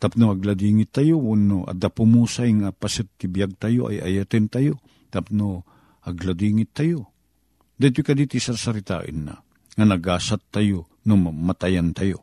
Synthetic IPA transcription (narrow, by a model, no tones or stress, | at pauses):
t̪apnoɐɡlad̪iːŋɪt̪ːajounoʔa̰d̪apʊmuːsajŋapasɨt̪̚t̪ɪbjaɡ̚t̪ajoʔa̰ja̰jat̪ɪnt̪ajo | t̪ap̚no | ɐɡlad̪iːŋɪt̪ːajo | d̪ajt̪ʊjkad̪iːt̪ɪsasaɾɪt̪a̰ːʔə̰nːa̰ | ŋanɐɡaːsat̪ːajo | nommat̪ajant̪ajo